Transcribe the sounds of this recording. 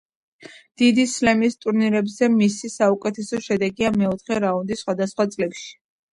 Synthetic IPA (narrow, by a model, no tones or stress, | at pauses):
d̪̥id̪islɛmist̪ʼuɾniɾɛbzɛmisisaukʼɛt̪ʰɛsɔʃɛd̪ɛɡiamɛɔt̪ʰχɛɾaund̪isχwad̪asχwat̪sʼlɛpʃi̥